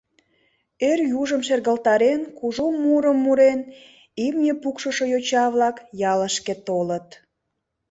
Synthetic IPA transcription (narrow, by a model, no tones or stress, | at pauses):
erjuʒəmʃerɣəlt̪ɑɾenkuʒomuɾəmːuɾen | imnʲepukʃəʃojot͡ɕɑβlɑkjɑləʃket̪olət̪